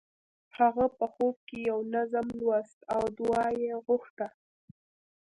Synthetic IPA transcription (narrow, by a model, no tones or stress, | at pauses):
haɣapəxob̚kejawnazamlwast̪awd̪wɑjeɣʊxt̪a